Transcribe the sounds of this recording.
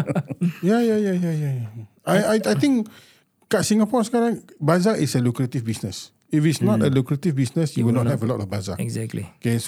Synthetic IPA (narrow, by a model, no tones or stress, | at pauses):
jajajajajaja | ajajajt̪ĩŋk | kaʔsĩŋapɔskaɾãŋbazaʔisəlukɾət̪ifbisnəs | ifitsnɔtəlukɾət̪ivbisnəsjuwinɔthɛvəlɔtɔfbaza̰ɛɡzɛlḭkes